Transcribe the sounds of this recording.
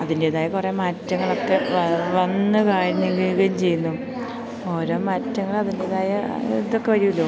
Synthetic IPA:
ɐðinde̞ːðaːjɐkure̞maːtːɐŋːɐɭo̞kːe̞ʋɐnːɨkaːɻiɲːiɡijɣɐjumt͡ɕe̞jːunːu | o̞ːɾo̞ːmaːtːɐŋːɐɭɐðinde̞ːðaːjɐiðokːe̞ʋɐɾijilːoː

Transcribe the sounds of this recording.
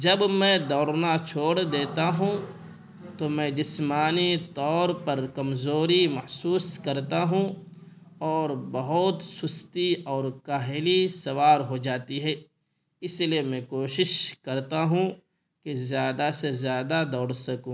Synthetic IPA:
d͡ʒɐbmɛ̃d̪ɔːɽnat͡ʃʰoːɽd̪eːt̪aɦũ | t̪omɛ̃d͡ʒɪsmaːnit̪ɔːɾpɐɾkɐmzoːɾimɐhsuːskɐɾt̪aɦũ | ɔːɾbɐɦʊt̪sʊst̪iɔːɾkaːɦelisɐʋaːɾɦod͡ʒaːt̪iɦɛː | ɪsliemɛ̃koːʃɪʃkɐɾt̪aɦũ | kezjaːd̪asezjaːd̪ad̪ɔːɽsɐkũː

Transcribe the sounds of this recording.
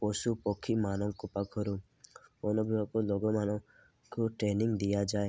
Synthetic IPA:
pɔsupɔkʰːimanɔŋkɔpakʰɔɾu | ɔnɔbuɔkɔlɔɡɔmanɔ̃ | koʈɾenɪŋɡd̪ijad͡ʒaːe

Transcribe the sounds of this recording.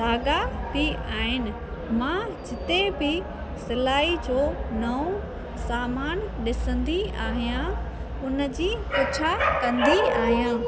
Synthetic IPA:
daːɡat̪ʰiaːɦɪnɪ̆ | mã | d͡ʑɪt̪ebɪ | sɪlaːid͡ʑoːnɐõ | saːmaːnɗɪsə̃nd̪iaːɦijã | ʊnə̆d͡ʑiːkʊt͡ɕʰakɐ̃nd̪iaːɦijãː

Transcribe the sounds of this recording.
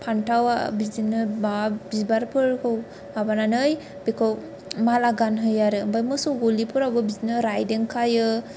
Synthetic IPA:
pʰantʰawa̰bizinɯbabizbaɾpʰɯɾkʰɯw | abananɯj | b̥ekʰɯw | malaɡanɦɯjaɾɯmbajmɯsɔɡolipʰɯɾawbɯbizinɯɾajdeŋkʰajɯ

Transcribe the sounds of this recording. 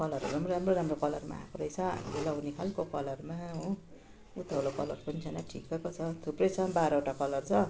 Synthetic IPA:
kʌlʌɾṵɾamroɾamroɾamrokʌlʌrma̰a̰koɾʌjt͡sʰʌa̰nlelʌwnikʰalkokʌlʌrmaɦũ | ut̪ʌlokʌ̰lʌ̰rpʌnit͡sʰʌnʌʈʰḭkekot͡sʰʌt̪ʰuprʌjt͡sʰʌbaɾʌoʈakʌlʌrt͡sʰʌ

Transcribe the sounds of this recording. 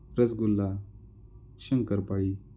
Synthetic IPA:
ɾəsɡulːa | ɕəŋkəɾpaɭi

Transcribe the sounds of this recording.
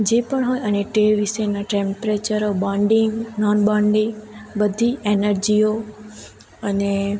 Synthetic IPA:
d͡ʑeːpəɽ̃ɦoːiɐnẽʈeːʋɪsenaʈẽːmpɾet͡ɕəɾobãːɳɖɪ̃ŋɡnɔːnɓaːɳɖibɐd̪ʱieːnəɾd͡ʑio | ɐne

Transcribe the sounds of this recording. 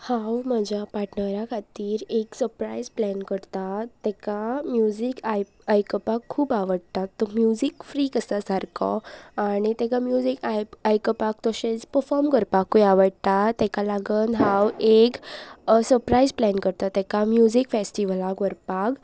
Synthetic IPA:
hãwməd͡ʑapaʈʰnəɾjakʰat̪iːɾeksəɾpɾa̰izplɛnkəɽt̪at̪ːɛkamjud͡zikj | ajkəpakʰːuːpaʋəɽt̪at̪ːɔmjud͡zikfɾiːkəsasaɾkʰɔ̰aɽ̃it̪ɛkamjud͡zikaajkəpak̚t̪ɔɕet͡spəɾfɔɾmkəɾpakːujaʋəɽt̪at̪ɛkalaɡənɦãweksəɾpɾaizplɛnkəɾt̪at̪ɛkamjud͡zikfesʈiʋəlakʋəɾpak

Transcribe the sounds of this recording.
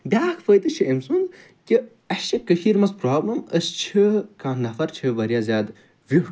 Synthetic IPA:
b̪ʲaːkfəːt̪ɨt͡ʃʰiʔɐmsund̪ | ki | ɐʃɐkɐʃiːɾmɐspɾaːblɐməst͡ʃʰɨkaːnɐfɐɾt͡ʃʰɨʋɐɾjaːzʲjaːd̪ | ʋʲi

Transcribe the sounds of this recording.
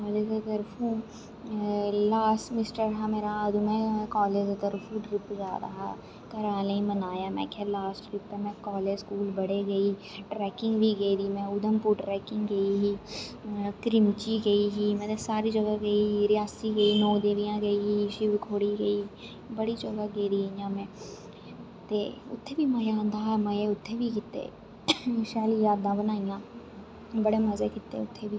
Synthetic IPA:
kɔːleːd͡ʒet̪əɾfʰũ | laːsʈmɪsʈəɾɦameːɾaɐd̪umɛ̃kɔːleːd͡ʒet̪əɾfʰuʈɾɪpd͡ʒaːɾɐ̰ɦa̰ | k̪ɐɾaːleĩmɐnaːjamɛ̰̃kʰɛlaːsʈʋɪppemɛ̃kɔːled͡ʒskuːlbɐɽeɡɐiːʈɾɛːkɪ̃ŋɡbʱiɡɐid̪imɛ̃ʊd̪əmpuːɾʈɾɛːkɪ̃ŋɡɡɐiɦiː | kɾɪmt͡ʃiːɡəiːɦiːmɛ̃ːt̪esaːɾiːd͡ʒəɡaːɡəiːɦiːɾɪjaːsiːɡəiːnɔ̃ːd̪eːʋɪjãːɡəiːɦiːʃɪʋkʰoːɽiːɡəiː | bəɽiːd͡ʒɔɡaːɡeiːɾiːjãːmɛ̃ː | t̪ḛːʊ̰t̪ʰːeːbiːmə̃ːjaːnd̪aːɦɛːmə̃eːʊt̪ʰːeːʋiːkɪt̪ḛː | ʃɛːlijaːd̪ãːbənaːɪjãː | bəɽeːməzeːkɪt̪ːḛːʊt̪ʰːeːbiː

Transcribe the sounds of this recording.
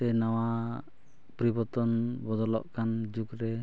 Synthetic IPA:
ɛnawa | pɾibɔt̪ɔnbɔd̪ɔlɔ̰ʔkand͡ʒukɾɛ

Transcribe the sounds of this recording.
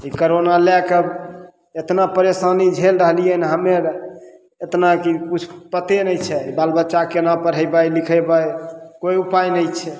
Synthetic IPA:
ikoɾonalɛkə | et̪napəɾesanid͡ʒʱelɾəɦlijənɦəmeɾ | et̪nakikut͡ʃʰpət̪enəjt͡ʃʰɛbalbətːt͡ʃakenapəɾɦəbajlikʰəbajkoiupajnəjt͡ʃʰɛ

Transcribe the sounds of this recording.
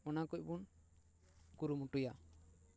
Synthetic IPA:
ɔnakɔc̚bun | kuɾumuʈuja

